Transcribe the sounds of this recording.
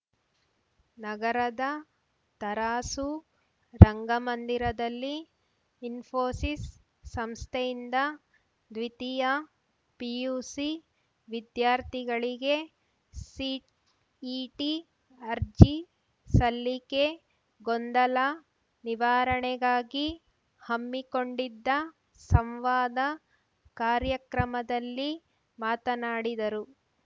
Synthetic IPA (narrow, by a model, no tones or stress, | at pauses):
nɐɡɐɾɐd̪ɐ | t̪ɐɾaːsu | ɾɐŋɡɐmɐnd̪iɾɐd̪ɐlːiː | nfʰoːsisː | ɐmst̪ʰejind̪ɐ | d̪ʋit̪ijɐ | pijuːsi | ʋid̪jaːɾt̪ʰiɡɐɭiɡe̞ | siʈː | ʈi | ɐɾd͡ʒi | sɐlːike̞ | ɡond̪ɐlɐ | niʋaːɾɐɳɛɡaːɡi | hɐmːiko̞ɳɖid̪ːɐ | sɐmʋaːd̪ɐ | kaːɾjɐkɾɐmɐd̪ɐlːi | maːt̪ɐnaːɽid̪ɐɾu